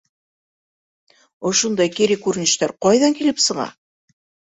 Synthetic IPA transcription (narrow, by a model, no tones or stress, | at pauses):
ŏʃund̪ɑjkiɾikʉɾɘ̆nɘ̆ʃt̪æɾqɑjðɑŋkilɘpsɤ̆ʁɑ̰